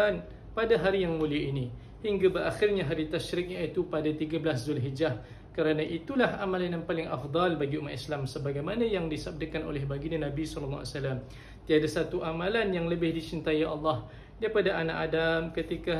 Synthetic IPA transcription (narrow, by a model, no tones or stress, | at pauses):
an | padaɦaɾijaŋmũliaini | hiŋɡabəraxɪrɲaɦaɾit̪aʃɾɪk̚ɲait̪upadat̪iɡablaszʊlɦid͡ʒah | kəɾanaʔit̪ulahamalanjanpalɪŋa̰fd̪ˤɑlbaɡiumat̪islamsəbaɡajmanãjaŋdisab̚dəkano̰lɛhbaɡiɲanãbisɔləlːa̰wa̰salam | t̪iadasat̪uʔamalanjaŋləbɪhdit͡ʃint̪ajaʔɑlːɑh | daipadaʔana̰ʔadamkət̪ika